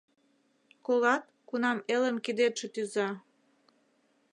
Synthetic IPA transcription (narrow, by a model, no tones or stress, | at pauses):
kolɑt̪̚ | kunɑmelə̆mkid̪et̪ʃĕt̪yzɑ